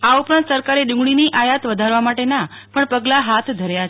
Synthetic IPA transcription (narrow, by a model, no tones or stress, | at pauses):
aupɾãnt̪səɾkaɾeɖʊ̃ŋɡɭiniʔajat̪ʋəd̪ʱaɾʋamaʈena | pəɳpəɡlaɦat̪ʰd̪ʱəɾjat͡ʃ